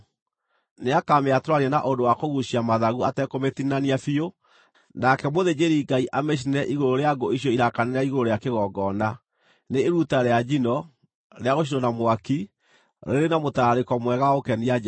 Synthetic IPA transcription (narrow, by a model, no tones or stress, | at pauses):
neakameatɾwaniɛnaʔondowakoɣuɕiamaðaɣuatɛkometinaniafio | nakɛmoðed͡ʑeɾiɡaiʔameɕ̬inɛʔiɣoɾoɾeaɡoiɕ̬jɔiɾakaneɾaiɣoɾoɾojakeɣɔɡɔna | neːɾutaɾead͡ʒinɔ | ɾeaɣoʃ̬inɔnamwaki | ɾḛɾenamotaɾekɔmwɛɣaokɛnia